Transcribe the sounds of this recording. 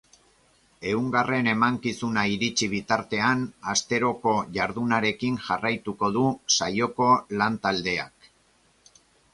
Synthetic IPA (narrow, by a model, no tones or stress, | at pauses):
e̞uŋɡare̞ne̞maŋkisunaiɾit͡ʃiβ̞it̪aɾt̪e̞anast̪e̞ɾo̞ko̞ʝaɾðunaɾe̞kinʝarajt̪uko̞ðusajo̞ko̞lant̪ald̪e̞a̰k